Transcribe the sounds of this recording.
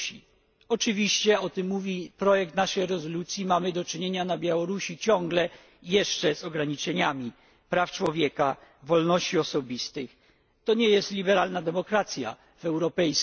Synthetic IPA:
i | ɔt͡ʂɘvʲiɕt͡ɕɛɔt̪ɘmːuvʲipɾɔjɛk̚t̪naʂɛjɾɛzɔlut̪sʲjimamɘd̪ɔt͡ʂɘɲeɲanabʲjawɔɾuɕit͡ɕɔ̃ŋɡlɛ | jɛʂt͡ʂɛzɔɡɾaɲit͡ʂɛɲamʲi | pɾaft͡ʂwɔvʲjɛka | vɔlnɔɕt͡ɕiɔsɔbʲist̪ɘx | t̪ɔɲɛjɛst̪lʲibɛɾalnad̪ɛmɔkɾat̪sʲja̰ | vɛwɾɔpɛjs

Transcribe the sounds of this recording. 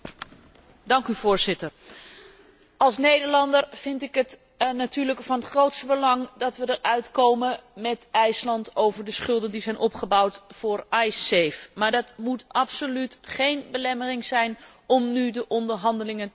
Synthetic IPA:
dɑŋkyvʊːɹzɪtəɹ | ɑlˠsnejdəɹlɑndəɹv̥ɪntɪkɦət | natyːɹləkfɑnɦətχrowtstəbəlɑŋdɑtʋədəɹʔœɥtkowməmɛtɛjslɑntowvəɹdəsχɵlˠdəndizɛjnʔɔpχəbawtfʊːɹɑjsejfmaːɹdɑtmutʔɑpsolytχejnbəlɛmərɪŋzɛjnɔmnydəʔɔndəɹɦɑndəlɪŋən

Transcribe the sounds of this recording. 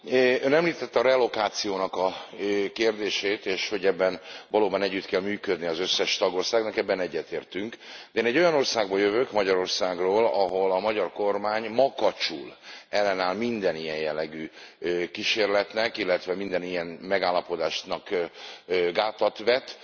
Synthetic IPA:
ønɛmliːt̪ɛt̪ːɒɾɛlo̞kaːt̪sijoːnɒkɒkeːrd̪eːʃeːt̪eːʃho̞ɟɛbːɛnvɒloːbɒnɛɟːyt̪kɛlmyːkød̪niɒzøsːɛʃt̪ɒɡo̞rsaːɡnɒkɛbːɛnɛɟːɛt̪eːrt̪yŋkd̪ɛeːnɛɟːo̞jɒno̞rsaːɡbɒjøvøkmɒɟɒɾo̞rsaːɡroːlɒɦo̞lɒmɒɟɒrko̞rmaːɲmɒkɒt͡ʃṵlɛlːɛnaːlmind̪ɛnijɛjjɛlːɛɡyːkiʃeːrlɛt̪nɛkilːɛt̪ʋɛmind̪ɛnijɛnmɛɡaːlːɒpo̞d̪aːʃnɒk | ɡaːt̪ɒt̪ʋɛt̪

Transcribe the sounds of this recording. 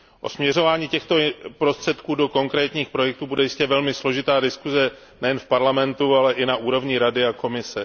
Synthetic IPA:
ʔo̞̰smɲɛr̝o̞vaːɲiːcɛxt̪o̞pɾo̞st̪r̝̥ɛt̪kuːdo̞ko̞ŋkɾɛːt̪ɲiːxpɾo̞jɛk̚t̪uːbudɛjɪscɛvɛlmɪslo̞ʒɪt̪aːdɪskuzɛ | nɛjɛnfpaɾlamɛnt̪ualɛʔɪnaʔuːɾo̞vɲɪɾadɪako̞mɪsɛ

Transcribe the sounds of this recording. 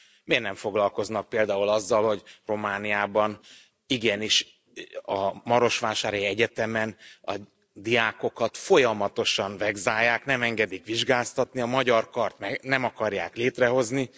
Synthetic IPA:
meːrnɛɱfo̞ɡlɒlko̞znɒk̚peːld̪aːulɒzːɒlho̞ɟro̞maːnijaːbɒn | iɡɛniʃ | ɒmɒɾo̞ʃʋaːʃaːɾjɛɟɛt̪ɛmɛnɒ̰ | d̪ijaːko̞kɒt̪fo̞jɒmɒt̪o̞ʃɒnvɛɡzaːjːaːknɛmɛŋɡɛd̪ikʋiʒɡaːst̪ɒt̪niɒmɒɟɒrkɒrt̪mɛnɛmɒkɒrjaːkleːt̪rɛɦo̞zni

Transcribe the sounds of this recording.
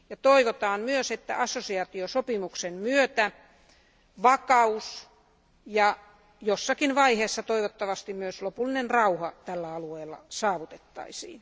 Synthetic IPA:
jɑt̪oiʋot̪ɑːmmyøset̪ːæ̰ʔɑsːosiɑt̪iosopimuksenmyøt̪æ | ʋɑkɑus | jɑ | josːɑkinʋɑiheːsːɑt̪oiʋot̪ːɑʋɑst̪immyøslopulːinenrɑuhɑt̪ælːæɑlueːlːɑ̰sɑːʋut̪et̪ːɑ̰isḭːn

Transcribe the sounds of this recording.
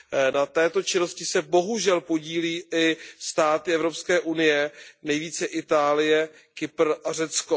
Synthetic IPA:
nat̪ɛːt̪o̞t͡ʃɪno̞scɪsɛbo̞ɦuʒɛlpo̞ɟiːliːʔɪst̪aːt̪ɪɛvɾopskɛːʔunɪjɛnɛjviːt͡sɛʔɪt̪aːlɪjɛ | kɪpr̩ʔar̝ɛt͡sko

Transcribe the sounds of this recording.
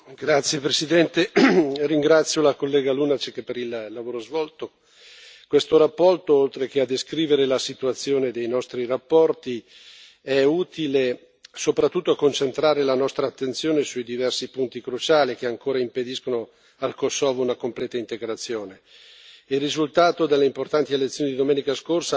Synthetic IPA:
ɡɾat̪sːjepɾesid̪ɛnt̪eriŋɡɾat̪sːjolakolːɛːɡaluːnat͡ʃkepːeɾillːavoːɾozvɔlt̪o | kwest̪oɾapːɔrt̪oolt̪ɾek̟ead̪ːeskɾiːveɾelasit̪uat̪sːjoːned̪ejnɔst̪ɾirapːɔrt̪i | ɛuːt̪ile | sopɾat̪ːut̪ːoakont͡ʃent̪ɾaːɾelanɔst̪ɾaːt̪ːent̪sjoːnesuid̪ivɛrsipunt̪ikɾut͡ʃaːlik̟eaŋkoːɾaimped̪iskono | alkosːɔːvounakomplɛːt̪aint̪eɡɾat̪sːjoːne | ilrːizult̪aːt̪od̪elːeimport̪ant̪ielet̪sːjoːnid̪id̪omɛːnikaskorsa

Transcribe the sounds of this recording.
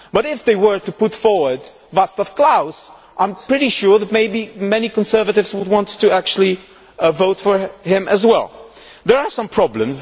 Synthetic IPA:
b̥ʌɾɪfðeɪwə˞tɨpʊtfɔɹwə˞d | vasləfkʰl̥aʊz̥ | ʔãɪ̃mpɹ̥ɪɾiʃʊɹðɨt̚meɪbimɛnikə̃nsɜ˞vɨɾɨvzwəd̚wɑ̃ntʰːɨæk̚t͡ʃʉl̩ˠi | voʊtfə˞hɪ̃mɨzwɛ̰lˠ | ðə˞asʌ̃mpʰɹ̥ɑblə̃mz

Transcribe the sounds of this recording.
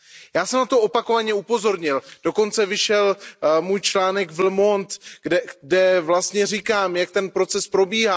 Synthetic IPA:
jaːsɛmnat̪o̞ʔopako̞vaɲɛupo̞zo̞ɾɲɪld̥o̞ko̞nt͡sɛvɪʃɛlmuːjt͡ʃlaːnɛɡvl̩mo̞nt̪ɛdɛvlast̪ɲɛrɪkaːmjak̚t̪ɛnpɾo̞t͡sɛspɾo̞biːɦaː

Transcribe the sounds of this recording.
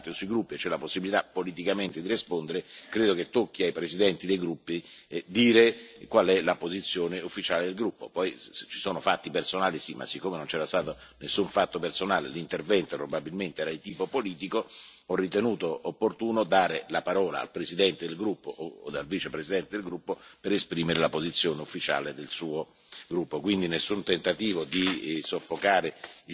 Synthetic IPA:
t̪josuiɡɾupːiet͡ʃɛlaposːibilit̪apːolit̪̬ikament̪ed̪irispond̪eɾekɾeːd̪oket̪ːokːiajpɾezid̪ɛnt̪id̪ejɡɾupːied̪iːɾekwalɛlapozit̪sːjoːneufːit͡ʃaːled̪elɡɾupːo̰pɔjt͡ʃi̥soːnofat̪ːipersonaːlisimːʔa̰sːikːomenont͡ʃɛːɾast̪aːt̪onesːuɱfat̪ːopersonaːlḛlint̪ervɛnt̪opɾobabilment̪eɛːɾait̪iːpopoliːt̪iko | ɔrːit̪enuːt̪oopːort̪uːnod̪aːɾelapaɾɔːla̰a̰lpɾezid̪ɛnt̪ed̪elɡɾupːoʔoːd̪alviːt͡ʃepɾesid̪ɛnt̪ed̪elɡɾupːopeɾespɾiːmeɾelapozit̪sːjoːneufːit͡ʃa̰ːled̪elsuːo | ɡɾupːokwind̪inesːunt̪ent̪at̪iːvod̪isofːokaːɾe

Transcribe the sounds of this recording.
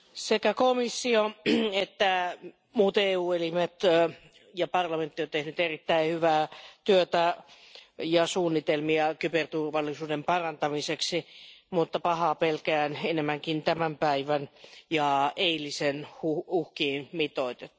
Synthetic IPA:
sekækomisːioet̪ːæ | muːt̪eːuːelimet̪ | jɑpɑrlɑment̪ːiot̪ehnyt̪erit̪ːæihyʋæːt̪yøt̪æ | jɑsuːnːit̪elmiɑkypert̪urʋɑlːisuːdempɑrɑnt̪ɑmiseksimut̪ːɑpɑhɑːpelkæːnenemːæŋkint̪æmæmpæiʋænjɑeilisenhuuhkiːnmit̪oit̪e̥

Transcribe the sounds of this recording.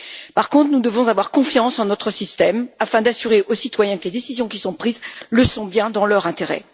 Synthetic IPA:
paʁkɔ̃t̪χnud̪əvɔ̃zavwaʁkɔ̃fjɑ̃sɑ̃nɔt̪χəsist̪ɛmafɛ̃d̪asyʁeʔosit̪wajɛ̃kəled̪esizjɔ̃kʲisɔ̃pχizləsɔ̃bjɛ̃d̪ɑ̃lœʁɛ̃t̪eʁɛ̰

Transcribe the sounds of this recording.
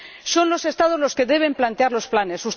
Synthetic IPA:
so̞nlo̞se̞st̪að̞o̞zlo̞ske̞ðe̞β̞e̞mplant̪eaɾlo̞splane̞sus

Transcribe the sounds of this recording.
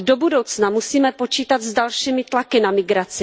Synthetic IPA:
do̞budowt͡snamusiːmɛpo̞t͡ʃiːt̪at̪zdalʃiːmɪt̪lakɪnamɪɡɾat͡sɪ

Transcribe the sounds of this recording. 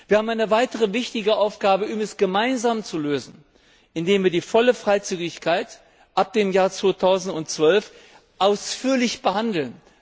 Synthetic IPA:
v̥iːɐhaːbmaɪnəvaɪtəʁəvɪçtɪɡəʔaʊfɡ̥aːbəʊmɛsɡ̥əmaɪnzaːmt͡suløːzn̩ | ʔɪndeːmviːɐdiːfɔləfʁ̥aɪt͡syːɡɪçkʰaɪt | ʔap̚d̥eːmjaːɐt͡sv̥oːtʰaʊzn̩tʊnt͡sv̥œlf | ʔaʊsfyːɐlɪçb̥əhandl̩n

